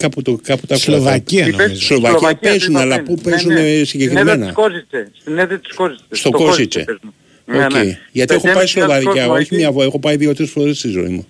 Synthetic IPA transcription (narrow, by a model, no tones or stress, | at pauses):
kɐput̪okɐput̪ɐslovɐcslovɐciɐppezunɐlɐpupe̞zunesiɲɟe̞kɾimenɐ̰sineðet̪i̥sost̪o̞ko̞zit͡ʃḛ | oceiʝɐt̪ie̞xo̞pɐislovɐðcɐo̞çimɲɐvoexo̞pɐiðio̞t̪eɾesfo̞ɾest̪izo̞̰ḭmu